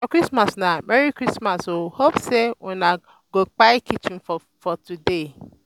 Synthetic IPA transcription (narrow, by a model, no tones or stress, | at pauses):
ɔkɾismasnamɛɾikɾismasohopsewɛna | ɡok͡pajkit͡ʃĩnf | fɔtude